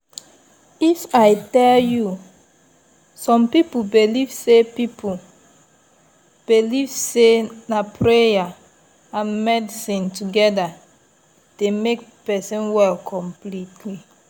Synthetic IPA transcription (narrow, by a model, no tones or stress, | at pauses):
ifaɪtɛlju | sɔ̃mpipubilivsepipu | b̥iliv̥senapɹeja | ãnmɛdisĩntuɡɛda | d̥emek̚pɛsĩnwɛlkʰɔ̃mplitʰli